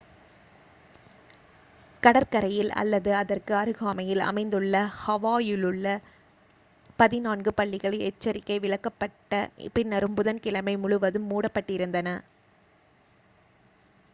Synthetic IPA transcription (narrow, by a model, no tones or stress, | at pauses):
kɐɽɐɾkɐɾɐjɪlɐ̰lːɐðɯɐðɐrkɯɐɾɯɣaːmɐjɪlɐ̰mɐɪnd̪ɯɭːɐhɐʋaːjɪlɯɭːɐ | pɐðɪnaːnɡɯpɐɭːɪɣɐɭɐɛt͡ʃːɐɾɪkːɐɪʋɪɭɐkːɐpːɐʈːɐpɪnːɐɾɯmpʊðɐnkɪɭɐmɐɪmʊɻɯʋɐðɯmːuːɽɐpːɐʈːɪɾɯnd̪ɐnɐ